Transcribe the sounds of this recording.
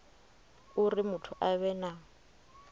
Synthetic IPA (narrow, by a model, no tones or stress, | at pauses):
urimʊtʰʊʔaβɛna